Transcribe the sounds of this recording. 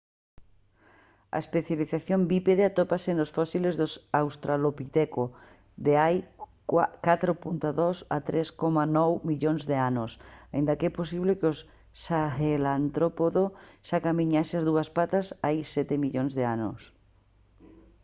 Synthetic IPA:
ɐ̰espeθjaliθaθjombipeðeat̪opasenosfɔsilezðosawst̪ɾalopit̪ɛko | ðeaj | kat̪ɾopunt̪aðɔsa̰t̪ɾeskomanɔwmiʎoŋzðeanʊsaḭ̃nd̪ɐkɛposiβlekos | saxelant̪ɾopoðoʃakamiɲasɪazðuɐspat̪asajsɛt̪emiʎoŋzðeano̰s

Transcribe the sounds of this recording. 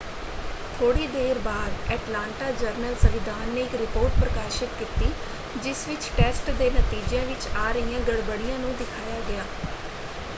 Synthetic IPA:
t̪ʰoːɽiːd̪eːɾbaːd̪ɛːʈlãːɳʈaːd͡ʒəɾnəlsəʋɪd̪aːnːeːɪkɾɪpoːɾʈ̚pɾəkaːʃɪt̪kiːt̪iː | d͡ʒɪsʋɪt͡ʃʈɛːsʈd̪eːnət̪iːd͡ʒjãːʋɪt͡ʃaːɾəijãːɡəɽbəɽijãːnũːd̪ɪkʰaːjaːɡɪaː

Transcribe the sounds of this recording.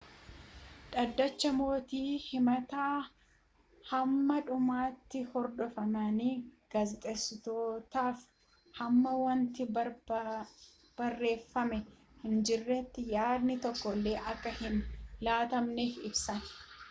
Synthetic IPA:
ᶑɐd̪ːɐt͡ʃːɐmo̞ːt̪iːhɪmɐt̪aː | hɐmːɐᶑʊmaːt̪ːɪhɔɾd̪ɔfɐmaniɡ̥azɪt̪ʼɛsːɪt̪o̞ːt̪aːf | hɐmːɐwɐnt̪ɪɐ | b̥ɐrːe̞ːfːɐmɛ | hɪnd͡ʒɪrːɛt̪ːɪjaːd̪nɪt̪ɔkːɔlːe̞ːʔɐkːɐhɪnlaːt̪ɐmneːfɪbsɐn

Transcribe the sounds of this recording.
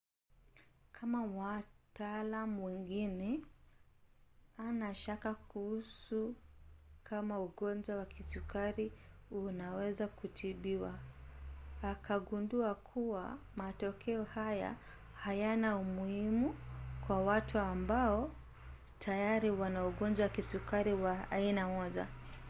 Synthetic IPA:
kʰamawataalamuwɛŋɡinɛ | anaʃakakuhusu | kʰamauɠɔnd͡ʒawakʰisukaɾiunawɛzakutʰiɓiwaː | kʰaɠunduakʰuwa̰matɔkʰɛɔhaja̰ | hajanaumuhimukwawatʰuambaɔ | tʰajaɾiwanauɠɔnd͡ʒawakisukaɾiwa̰ːinamɔza̰

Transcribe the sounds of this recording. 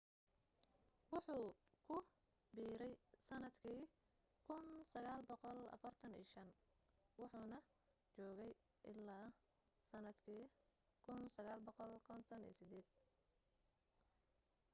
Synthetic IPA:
wɑħuːkʰʊ | biːɾɛjsɐnɐd̪kʰiː | kʰʊnsɐɣaːlbɔqɔlɐ̰fɐrt̪ʰɐnḭːʃɐn | wɑħuːnɐ | t͡ʃɔːɣɛj | ʔɪlːaː | sɐnɐd̪kʰiː | kʰʊnsɐɣaːlbɔqɔlkʰɔnt̪ʰɔnḭːsɪd̪ɛːd̪̥̚

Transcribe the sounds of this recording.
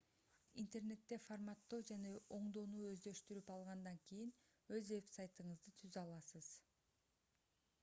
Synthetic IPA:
int̪e̞rne̞t̪ːe̞formɑt̪ːod͡ʒaneo̞ɴd̪o̞nuːø̞zd̪ø̞ʃt̪yɾypɑlˠʁɑnd̪ɑŋkʲijin | ø̞zve̞psajt̪ɯɴɯzd̪ɯt̪ʰyzɑlˠɑsɯz̥

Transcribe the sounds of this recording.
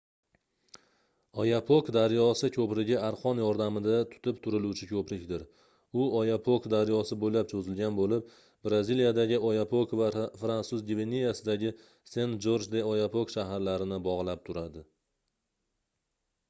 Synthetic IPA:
ɒjapʰokd̪aɾjɒsɪkʰɵpɾɪɡʲɪaɾqʰɒnjɒɾd̪amɪd̪at̪ʰʊ̥t̪ʰɪp̚t̪ʰʊɾɪlut͡ʃʰɪkʰɵpɾɪkʲd̪ɪɾ | ʊɒjapʰokd̪aɾjɒsɪbojlapt͡ʃʰɵzɪlɡʲanbolɪp̚ | bɾazilijad̪aɡʲɪɒjapʰokvafɾansʊzɡʲivenijasɪd̪aɡʲɪ | sent̪d͡ʒoɾd͡ʒd̪eɒjapʰokʃaɦaɾlaɾɪnɪbɒʁlˠap̚t̪ʰʊɾad̪ɪ

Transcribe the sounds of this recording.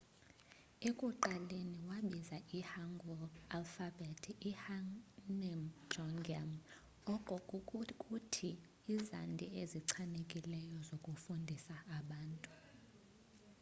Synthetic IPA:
ekʼuǃaleniwaɓizaʔihaŋɡʱɔalfabɛtʰihanɛmd͡ʒɔŋɡiam | ɔǃʼɔkʼutʰiː | za̰ndʱieziǀʰanekʼilɛjɔzokʼufundʱisaːɓaːntʼu̥

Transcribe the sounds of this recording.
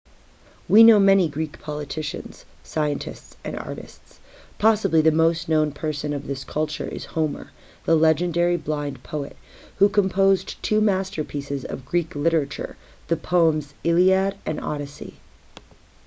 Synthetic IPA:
winoʊmɛñiɡɹikpʰɑlˠətʰɪʃɨ̰̃nz̥saɪɨ̃ntʰɨ̰stsʔɨ̰̃nɑ̰ɹɾɨ̰stspʰɑsəbliðɨmoʊstⁿnõʊ̃npʰɜ˞sɨ̃nʌvðɪskʰʌlˠt͡ʃə̰˞ʔɨ̰z̥hõʊ̃mə̰˞ | ðəlɛd͡ʒɨ̃ndɛɹiblãɪ̃npʰoʊɨ̰t̚ | hukʰə̃mpʰoʊztʰʉmæstə˞pʰisɨzʌ̰vɡɹiklɪɾə˞ɨt͡ʃə̰˞ | ðɨpʰoʊə̃mzɪlˠiæɾʔɨ̃nɑ̰ɾɨsḭ

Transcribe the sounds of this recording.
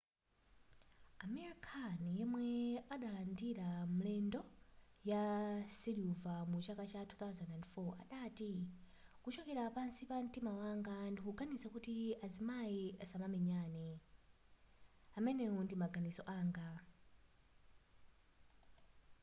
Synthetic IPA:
amɛɾikʰanjɛmwɛaɗalandiɾam̩lɛndɔjasiljuvamut͡ʃakat͡ʃatʰuθawzandɛndfɔa̰ɗaːti | kut͡ʃɔkɛɾapansipam̩timawaŋɡandikuɡanisakutiazimajiasamamɛɲaːnɛ | amɛnɛɔndimaɡʱanisɔʔaːŋɡa

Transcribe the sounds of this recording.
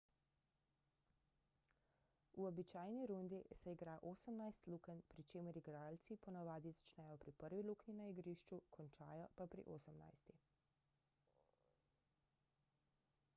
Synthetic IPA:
uɔbit͡ʃaːjniɾund̪isɛiɡɾaːʔoːsəmnajst̪lukənpɾit͡ʃeːmɛɾiɡɾaːlt̪sipɔnaʋaːd̪izat͡ʃnɛjɔpɾipəɾʋilukninaiɡɾiʃt͡ʃukʰɔnt͡ʃaːjɔpapɾḭʔoːsəmna̰jst̪i

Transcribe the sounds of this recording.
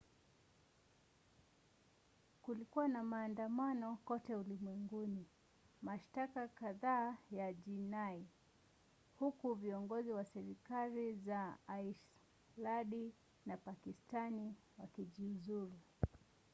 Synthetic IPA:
kulikuwanamaːndamanɔkɔtɛulimwɛŋɡuni | maʃtakakaðaːjaʄinai | hukuviɔŋɡɔziwasɛɾikalizaaiʃ | laɗi | napakistani | wakiʄiuzuɾu

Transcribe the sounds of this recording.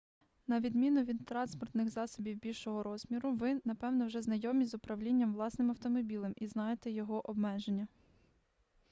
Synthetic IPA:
nɐʋʲid̪mʲinʊʋʲid̪t̪ːɾɑnspɔrt̪nɪxzɑsɔbʲiwbʲilʲʃɔɦɔɾɔz̥mʲiɾʊʋɪnɐpɛwnɔwʒɛznɐjɔmʲizʊpɾɐwlʲinʲːɐmʋlˠɑsnɪmɐwt̪ɔmɔbʲilˠɛmʔiznɑjet̪ɛjɔɦɔʔɔbmɛʒenʲːɐ

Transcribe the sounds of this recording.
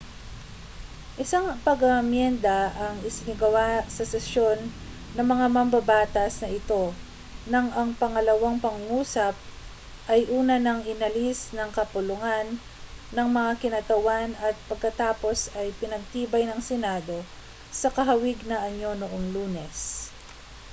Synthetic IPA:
ʔɪsaŋpɐɡɐɐmjɛnd̪ɐʔɐŋɪsɪnɪɡɐwasɐsɛsjo̞nː | ɐŋmɐŋamɐmbɐbaːt̪ɐsnɐʔɪt̪o̞ | nɐŋʔɐŋpɐŋɐlɐwaŋpɐŋʊŋuːsɐp̚ | ʔɐjʔuːnɐnɐŋʔɪnɐlisnɐŋkɐpʊlʊŋanː | ɐŋmɐŋakɪnat̪ɐwanɐt̪̚pɐɡ̚kɐt̪aːpo̞sɐjpɪnɐɡ̚t̪iːbɐjnɐŋsɛnaːd̪o̞ | sɐkɐɦɐwɪɡnɐʔɐɲo̞noʔo̞ŋluːnɛs

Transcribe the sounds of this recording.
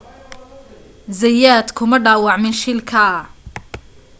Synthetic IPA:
zɐjaːd̪kʰʊmɐɖaːwɑʕmɪnʃɪlkʰɐ

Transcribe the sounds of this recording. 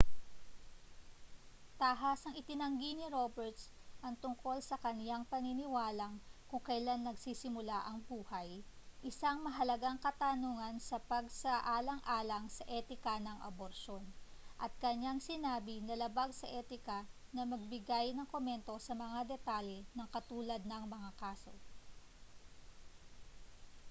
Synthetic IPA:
t̪aɦasɐŋɪt̪ɪnɐŋɡinɪɾo̞bɛɹt̪sʔɐŋt̪ʊŋko̞lsɐkɐnjaŋpɐninɪwaːlɐŋkʊŋkɐjlanːɐɡsiːsɪmʊlaʔɐŋbuːhɐjʔɪsaŋmɐɦɐlɐɡaŋkɐt̪aːnuŋɐnsɐpɐɡsɐʔaːlɐŋʔaːlɐŋsɐʔɛːt̪ɪkɐnɐŋʔɐ̰boɾʃo̞nʔɐt̪̚kɐɲaŋsɪnaːbɪnɐlɐbaɡsɐʔɛːt̪ɪkɐnɐmɐɡ̚bɪɡajnɐŋkomɛnt̪o̞sɐmɐŋad̪ɛt̪alɛnɐŋkɐt̪uːlɐd̪̚nɐŋmɐŋakaːso̞̰

